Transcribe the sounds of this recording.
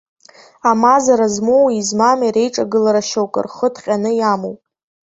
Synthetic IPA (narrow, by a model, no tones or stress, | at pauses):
amazaɾazmowizmamaɾe̞jʈ͡ʂʼaɡɨlaɾaʃowkʼɨ̰rχədʰχʲʼanɨjamowpʼ